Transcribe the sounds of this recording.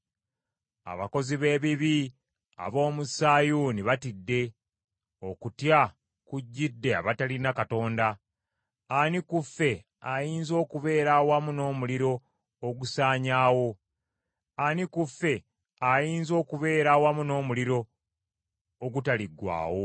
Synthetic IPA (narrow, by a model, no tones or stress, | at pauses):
a̰βa̰ko̞ziβe̞ːβiβi | a̰βo̞ːmusaːjuniβatidːe̞ | o̞kutja | kuɟːidːe̞a̰βatalinakato̞ːnda | anikufe̞ | ajiːnzo̞ːkuβe̞ːɾawamuno̞ːmuliɾo̞ː | ɡusaːɲaːwo̞ | anikufːe̞ | ajiːnzo̞ːkuβe̞ːɾawamuno̞ːmuliɾo̞ | ɡutaliɡwa̰ːwo̞